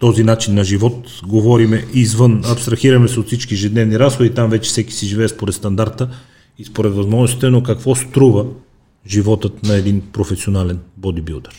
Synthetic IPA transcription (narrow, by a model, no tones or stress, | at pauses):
t̪ɔzinat͡ʃinːɐʒivɔt̪ | ɡovɔɾimɛʔizvənɐpst̪ɾɐxiɾɐmɛsɛot̪fsit͡ʃkiɛʒɛd̪nɛvniɾasxod̪it̪amvɛt͡ʃɛ̥fsɛki̥siʒivɛːspoɾɛt̪st̪ɐnd̪aɾt̪ə | ispoɾɛt̪vɐzmɔʒnosit̪ɛnokɐkvɔst̪ɾuvə | ʒivɔt̪ət̪nɐɛd̪inpɾofɛsionalɛnbod̪ibud̪əɾ